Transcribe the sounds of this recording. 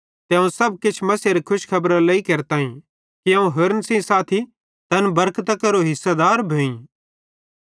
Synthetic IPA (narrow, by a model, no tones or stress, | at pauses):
t̪ɛ̃ːũsɐb̚kɪt͡ʃʰmɐseɾekʰʊʃkʰɐbɾalɐikɐɾt̪aːĩ | kiɐ̃ũɦʊɾnsĩsaːt̪ʰi | t̪ɐnbɐɾkʰt̪ɐkɐɾoɦɪsːad̪aːɾbʱeːĩ